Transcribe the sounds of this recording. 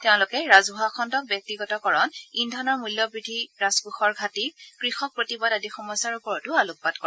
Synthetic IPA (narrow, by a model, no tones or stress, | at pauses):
teʊ̃lʊkɛɹazuɦakʰɔntɔk̚bjɔk̚tiɡɔtɔkɔɹɔnindʱɔnɔɹmuljɔbɹidʱiɹazbuxɔɹɡʱatikɹixɔk̚pɹotibadadixɔmɔjsaɹupɔɹɔtʊaluk̚badkɔ